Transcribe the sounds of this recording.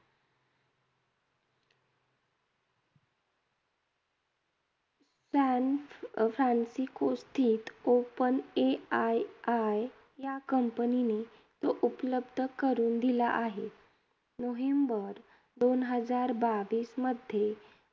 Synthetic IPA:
sanfɾansikost̪ʰiːt̪opəneaaj | jakəmpənine | t̪oʔupləbd̪ʱəkəɾuːnd̪ilaʔaɦe | noʋembəɾ | d̪onɦəd͡zaɾbaʋiːsməd̪ʱje

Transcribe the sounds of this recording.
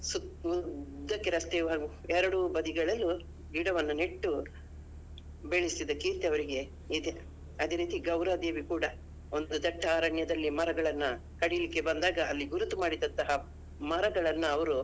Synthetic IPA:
suud̪ːɐkːeɾɐst̪eːʋaːɡuɛɾɐɽubɐd̪iɡɐɭɐlːu | ɡiːɽɐʋɐnːuneʈːu | beɭisid̪ɐkiːɾt̪eɐʋɐɾiɡe̞ | id̪e̞ | ɐd̪e̞ːɾiːt̪iɡɐwɾɐd̪e̞ːʋikuːɽɐ | ond̪ud̪ɐʈʰːɐaːɾɐɳjɐd̪ɐlːimɐɾɐɡɐɭɐnːɐ | kɐɽijɐlikːe̞bɐnd̪aːɡɐːlːiɡuɾut̪ːumaːɽid̪ɐnt̪ɐɦɐ | mɐɾɐɡɐɭɐnːuɐʋɐɾu

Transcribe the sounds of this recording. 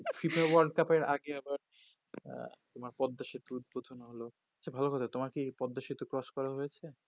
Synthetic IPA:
fipewaɾɖkapeɾaɡeabaɾ̰ | t̪omaɾpɔd̪ːaʃit̪out̪̚bod̪ʱonaɦolo | at͡ɕʰabʱalokɔt̪ʰat̪omaɾkipɔd̪ːaʃit̪okɾɔskɔɾaɦojet͡ɕʰe

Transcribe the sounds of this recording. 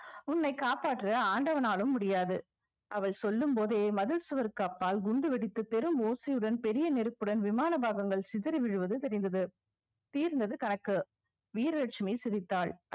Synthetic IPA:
ʊnːɐɪkaːpaːʈːrɐaːɳɖɐʋɐnaːlɯmːʊɽɪjaːðɯ | ʔɐʋɐɭsɔlːɯmpoːðeːmɐðɪlsɯʋɐɾkaːpːaːlɡʊɳɖɯʋɛɽɪt̪ːɯpɛɾɯmoːsɐjɯɽɐnpɛɾɪjɐnɛɾɯpːɯɽɐnʋɪmaːnɐbaːɣɐŋɡɐɭsɪðɪɾɪʋɪɻɯʋɐðɯt̪ɛɾɪnd̪ɐðɯ | t̪iːɾnd̪ɐðɯkɐnɐkːɯ | ʋiːɾɐɾɐʈ̚t͡ʃːɯmɐɪsɪɾɪt̪ːaːɭ

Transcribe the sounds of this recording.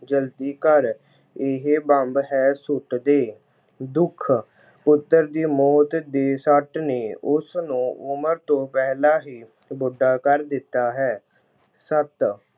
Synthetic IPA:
d͡ʒəlt̪iːkəɾ | ɪɦebə̃mbɦɛːsʊʈd̪eː | d̪ʊkʰ | pʊt̪ːəɾd̪iːmɔːt̪d̪eːsəʈneːʊsnũːʊməɾt̪õːpɛɦlaːɦiː | bʊɖːaːkəɾd̪ɪt̪ːaːɦɛː | sət̪

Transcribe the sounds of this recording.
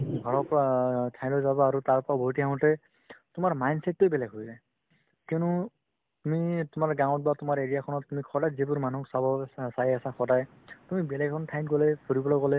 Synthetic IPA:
ɡʱɔɹɔpɔɹatʰaj̃lɔjzabɔaɾutaɹpɔɹabʱojtiɦaʊ̃tɛ | tumaɹmajnsɛtːojbɛlɛɡɦojza | kinu | tumitʊmaɹɡaw̃t̚batumaɹeɹijakʰɔnɔtːumikʰɔdajzebuɹmanuksabɔsaiasakʰɔdaj | tumibɛlɛɡkʰɔntʰajnɡɔlɛpʰuɹibɔlɔɡɔlɛ

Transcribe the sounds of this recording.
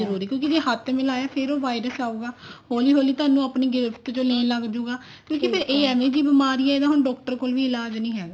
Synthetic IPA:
əɾuːɾiːkjõːkid͡ʒeːhət̪ʰːmɪlaːjaːpʰɪɾoːʋaːɪɾəsaːuːɡaːhoːliːɦoːliːt̪ʊaːnũːaːpniːɡɪɾɪft̪t͡ʃõːlɛ̃ːləɡd͡ʒuːɡaː | kjõːkipʰɪɾeːɛːmẽːd͡ʒiːbɪmaːɾiːɛːed̪ãːɦʊnɖɔːk̚ʈəɾkoːlʋiːɪlaːd͡ʒnĩːɦɛːɡaː

